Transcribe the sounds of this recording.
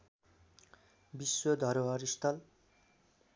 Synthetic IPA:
biswod̪ʱʌɾoaɾist̪ʰʌl

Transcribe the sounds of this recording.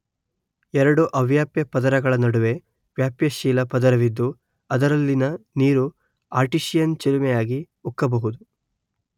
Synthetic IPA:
ɛɾɐɽuʔɐʋjaːpjɐpɐd̪ɐɾɐɡɐɭɐnɐɽuʋe̞ | ʋjaːpjɐʃiːlɐpɐd̪ɐɾɐʋid̪ːu | ɐd̪ɐɾɐlːinɐniːɾu | aːɾʈiʃijɐnt͡ʃelumɛjaːɡi | ukːɐbɐɦud̪u

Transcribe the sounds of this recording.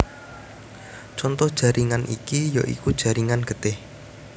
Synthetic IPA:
t͡ʃɔnt̪ɔhd̥ʒ̥ä̤ɾʔiŋanʔḭkijɔʔḭkud̥ʒ̥ä̤ɾiŋanɡ̥ə̤t̪ɪh

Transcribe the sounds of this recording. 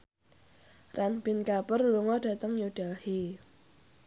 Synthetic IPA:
rʔanb̥inkapərluŋɔɖ̥a̤t̪əŋjoɖ̥alhe

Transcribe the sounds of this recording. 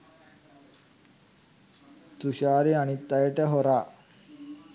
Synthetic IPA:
t̪uɕaːɾianit̪ːajəʈəɦoɾaː

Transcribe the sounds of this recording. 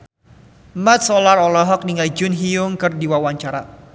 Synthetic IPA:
mat̪̚sɔlarɔlɔɦɔk̚niŋald͡ʒʊnɦiʊŋkɨrdiwawaɲt͡ʃaɾa

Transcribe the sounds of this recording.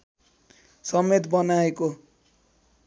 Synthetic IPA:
sʌmet̪bʌnaeko

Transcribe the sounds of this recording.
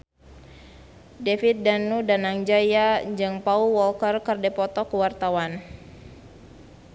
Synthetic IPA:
defit̪̚danudanaŋd͡ʒajad͡ʒɨŋpauwɔlkərkərdɛpɔt̪ɔkəwart̪awan

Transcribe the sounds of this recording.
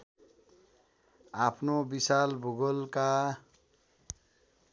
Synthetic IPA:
apʰnobisalbʱuɡʌlka

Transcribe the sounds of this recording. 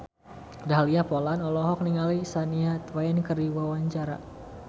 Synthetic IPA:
daɦaliapɔlanɔlɔɦɔk̚niŋalisaniat̪waɛnkərdiwawaɲt͡ʃaɾa̰

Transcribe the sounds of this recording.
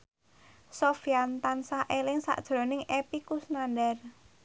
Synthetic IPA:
sofiant̪ansaʔelɪŋsa̰ʔd̥ʒ̥ɾɔ̤nɪŋepikusnandɛr

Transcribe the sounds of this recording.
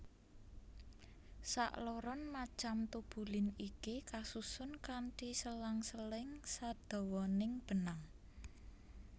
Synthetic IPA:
sa̰ʔlɔɾɔnmat͡ʃamt̪ub̥ulɪnikikasusʊnkaɳʈisəlaŋsəlɪŋsad̪̥ɔ̤wɔnɪŋb̥ə̤naŋ

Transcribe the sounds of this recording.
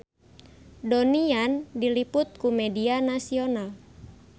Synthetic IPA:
doniandilipʊt̪̚kumɛdianasional

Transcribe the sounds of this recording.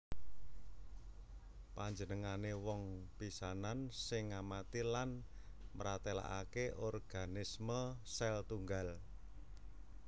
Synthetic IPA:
paɲd͡ʒənəŋanewɔŋpisanansɪŋːamat̪ilan | məɾat̪ela̰ʔa̰keʔɔrɡ̥a̤nɪsməsɛlt̪uŋɡal

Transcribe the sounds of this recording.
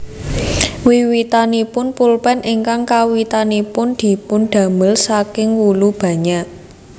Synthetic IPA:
wiwit̪anipʊnpulpɛnʔiŋkaŋkawit̪anipʊnd̪̥i̤pʊnd̪̥ä̤məlsakɪŋwulub̥ä̤ɲaʔ

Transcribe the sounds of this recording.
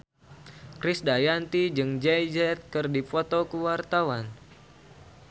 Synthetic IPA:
kɾɪsdajant̪id͡ʒɨŋd͡ʒɛjd͡ʒɛt̪̚kɨrdifɔt̪okəwart̪awan

